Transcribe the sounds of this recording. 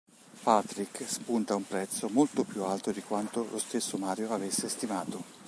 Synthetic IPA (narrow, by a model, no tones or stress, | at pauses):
pat̪ɾikːspunt̪aumpɾɛt̪sːomolt̪opjualt̪od̪ikwant̪olost̪esːomaːɾjoavesːest̪imaːt̪o